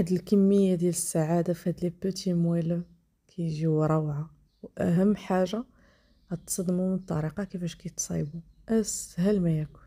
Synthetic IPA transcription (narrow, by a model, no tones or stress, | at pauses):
ħd̪əlkəmːəjːad̪jæləsːaʕad̪afihæd̪libət̪imwæləm | kʰæjʒiwɾˤɑwʕa | wʔæ̰ɦæmːħaʒa | æt̪sˤɑd̪mumənt̪ˤːɑ̰ɾiqɑkifæʃkæjt̪sˤḭbu | ʔæsɦælmæjæku̥